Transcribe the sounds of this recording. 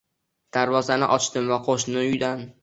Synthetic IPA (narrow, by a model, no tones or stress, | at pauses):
d̪̥aɾvɒzanɪʔɒt͡ʃt̪ɪmvaqʰoʃnɪʊjd̪an